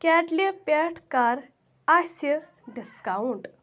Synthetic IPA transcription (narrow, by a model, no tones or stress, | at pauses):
kɛʈlepɛʈʰkaɾ | ase | ɖiskauɳʈ